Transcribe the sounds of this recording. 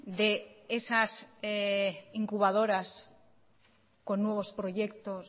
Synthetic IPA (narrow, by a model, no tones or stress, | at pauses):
d̪eesaseiŋkuβaðo̞ɾas | ko̞nːwe̞β̞o̞spɾo̞ʝe̞kt̪o̞s